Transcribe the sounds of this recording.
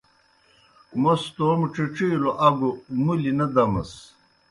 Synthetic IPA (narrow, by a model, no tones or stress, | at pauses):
most̪omʈ͡ʂiʈ͡ʂiːloʔɐɡumulinɐd̪ɐmɐ̰s